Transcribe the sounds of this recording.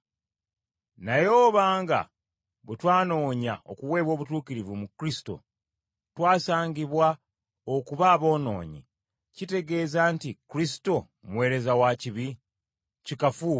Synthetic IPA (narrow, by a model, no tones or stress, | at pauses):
najo̞ːβaːŋɡa̰ | βutwaːno̞ːɲao̰kuwe̞ːβwo̞ːβutuːkiɾivumukɾisi̥to̞̰ | twaːsaːɲɟiβwa | okuβaːβo̞ːno̞̰ːɲḭ | cite̞ɡe̞ːzaːntikɾisi̥to̞ | mwe̞ːɾe̞zawaciβi | cikafuː